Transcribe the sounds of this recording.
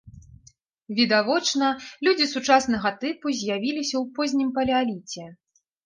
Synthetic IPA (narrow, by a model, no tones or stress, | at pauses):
vʲid̪avɔt͡ʂnɐlʲud͡zʲisut͡ʂasn̪ɐɣɐt̪ɨpuzʲjavʲilʲisʲɐwpɔzʲnʲimpɐlʲɛalʲit͡sʲɛ